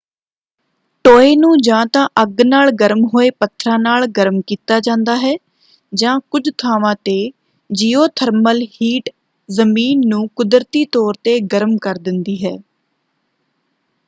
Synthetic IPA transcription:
ʈoːeːnũːd͡ʒãːt̪ãːʔəɡnaːlɡəɾmɦoːeːpət̪ʰɾãːnaːlɡəɾmkiːt̪aːd͡ʒãːnd̪aːɦɛː | d͡ʒãːkʊd͡ʒt̪ʰaːʋãːt̪eː | d͡ʒiːoːt̪ʰəɾməlhiːʈ | zəmiːnːũːkʊd̪ɾt̪iːt̪ɔːɾt̪eːɡəɾəmkəɾd̪ɪnd̪iːɦɛː

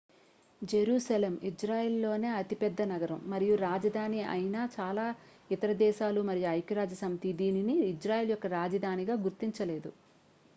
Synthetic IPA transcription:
d͡ʒeɾuːsɐleːmid͡ʒɾaːjeːlːo̞ːne̞ːɐt̪ipɛd̪ːɐnɐɡɐɾɐmːɐɾijuɾaːd͡ʒɐd̪ʱaːniɐ̰jnaːt͡ʃaːlaː | it̪ɐɾɐd̪ɛːʃaːlumɐɾijuɐjkiɾaːd͡ʒɐsɐmit̪id̪iːniniːd͡ʒɾaːjeːljɔkːɐɾaːd͡ʒɐd̪ʱaːniɡaːɡuɾt̪iɲt͡ʃɐle̞ːd̪u

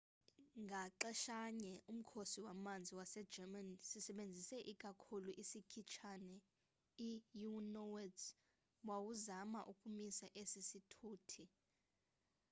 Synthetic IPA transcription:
ŋɡʱaǃɛʃaɲɛʔum̩kʰosiwamand͡zʱiwasɛ̥d͡ʒɛmansisɛɓend͡zʱisɛʔikʼakʰuluʔisikʰit͡ʃʰanɛ | ijunɔwɛds | wawuzamaʔukʼumisaʔesisitʰuːtʰi

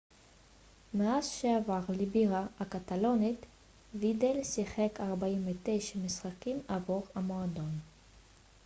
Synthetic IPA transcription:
meazʃeavaʁlibiʁaakat̪alo̞nit̪ | vid̪elsiχekʰaʁbaimvet̪ejʃamisχakimavoʁamo̞ad̪o̞n

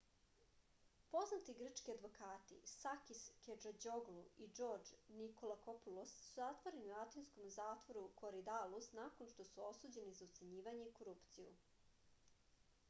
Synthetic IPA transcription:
po̞znat̪iɡr̩t͡ʃkiad̪ʋo̞kaːt̪ḭsakisked͡ʒad͡ʑo̞ɡluid͡ʒo̞ːɾd͡ʒniko̞lˠako̞pulosːuzat̪ʋoɾeniuat̪ensko̞mzaːt̪ʋo̞ɾukʰo̞ɾid̪alˠusnakonʃt̪o̞suo̞suːd͡ʑe̞nizaut̪seɲiːʋaɲe̞iko̞ɾuːpt̪sijṵ

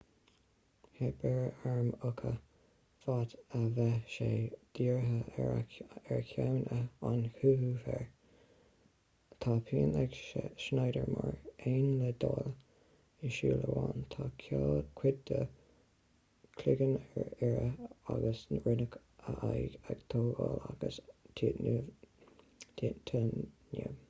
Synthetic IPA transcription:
hɛbɛɹəaɹmʊkʰə | fat̪əvɛʃeːd̪̥iːɹɦə | ɛɹkʰjawnʔəanhuːhufɛ̰ɹ | t̪ʰɑːpʰiːənɛɡʃnɑjdəɹmɑɹeːnləd̪ɑːlə | ɪʃiːləwɑːnt̪ʰɑːkʰakʰwɪd̪ə | kʰlɪɡənɛɹɛɹəaɡəsnɹɪnək | əʔajɡaɡ̥t̪ʰoːɡɑːlaɡ̥əstʰiːtnu | tʰːtʰənḭ

